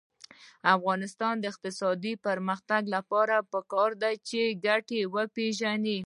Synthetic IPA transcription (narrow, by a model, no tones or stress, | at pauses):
afɣɑnɪst̪ɑnd̪əɪq̚t̪ɪsɑd̪ipəɾməxt̪aɡlapɑɾapəkɑɾd̪at͡ʃeɡaʈewəpeʒani